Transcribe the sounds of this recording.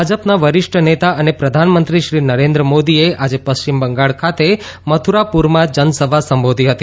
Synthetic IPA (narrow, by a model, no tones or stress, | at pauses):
ad͡ʒəpnaʋəɾɪʃʈʰənet̪aʔənepɾəd̪ʱanmənt̪ɾiʃɾinəɾẽnd̪ɾəmod̪ieʔad͡ʒepəst͡ʃimbəŋɡaɭkʰat̪e | mət̪ʰuɾapuɾmãd͡ʒənsəbʱasəmbod̪ʱiɦət̪i